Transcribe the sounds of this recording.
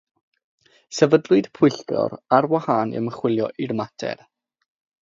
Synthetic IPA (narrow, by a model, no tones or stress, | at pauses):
sɛvədlˠʊd̥pʰʊjɬtʰɔ̰ɾarwahaːnḭə̰məχwɪlˠjɔʔirmatʰɛ̰r